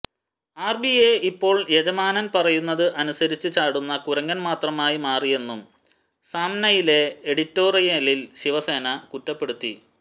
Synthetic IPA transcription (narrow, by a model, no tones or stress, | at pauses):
aːrbieʔipːo̞ːɭjed͡ʑɐmaːnɐnpɐrɐjunːɐðɨʔɐnusɐɾit͡ɕːɨt͡ɕaːɽunːɐkuɾɐŋɡɐnmaːt̪rɐmaːjimaːrije̞nːum | saːmnɐjile̞eɽitːo̞ːrijelilɕiʋɐseːnɐkutːɐpːe̞ɽut̪ːi